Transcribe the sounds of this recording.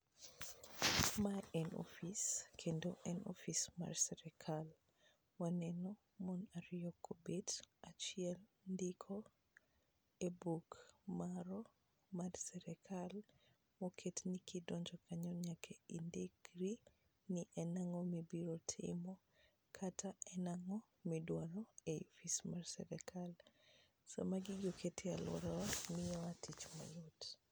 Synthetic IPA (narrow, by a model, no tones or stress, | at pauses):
maɛnɔ̰fiskʰendoʔɛnʔɔ̰fisma̰ɾsɛɾɛkʰal | wanɛnɔ | mɔnaɾiɔkʰːobetat͡ʃiɛl | ndikʰɔ | ebukmaɾɔ | maɾsɛɾɛkʰal | mɔkʰetnikidɔɲd͡ʒɔkʰaɲɔɲakʰɛindiɡɾi | niʔɛnaŋɔmibiɾotʰɪ̰mɔ | kʰatʰaɛnaŋɔ | midwalɔeifismarsɛ̰ɾɛkʰal | sa̰maɡiɡokʰetʰɪalwɔ̰ɾɔmɪjɔatʰit͡ʃma̰lot